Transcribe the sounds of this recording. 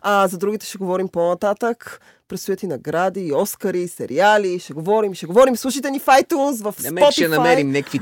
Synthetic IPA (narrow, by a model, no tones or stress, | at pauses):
ɐzɐd̪ɾuɡ̟it̪ɛ̥ʃɛɡovɔɾimponɐt̪at̪ək | pɾɛt̪st̪ʊjat̪inɐɡɾad̪iɔskəɾisɛɾialiʃɛɡovɔɾimiʃɛɡovɔɾimslˠuʃit̪ɛnifajt̪uns̬vɐfspɔtʃɛnɐmɛɾimnɛkvi